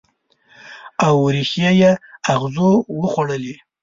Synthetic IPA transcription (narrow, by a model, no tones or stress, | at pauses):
awɾixjajeaɣzowəxwaɽəli